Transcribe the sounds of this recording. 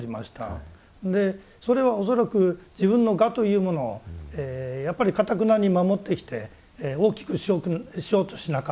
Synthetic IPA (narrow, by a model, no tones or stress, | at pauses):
ɾʲima̰ɕi̥t̪a̰ | d̪e̞ | so̞ɾe̞β̞ao̞s̬o̞ɾakɯ̟d͡ʑibɯ̟̃nːo̞ɡat̪o̞jɯ̟ːmo̞no̞̰eːjapːaɾʲikat̪ak̬ɯ̟naɲ̟imamo̞t̪ːe̞kʲi̥t̪e̞ | o̞ːkʲi̥kɯ̟ɕioɕijo̞ːt̪o̞̥ɕinaka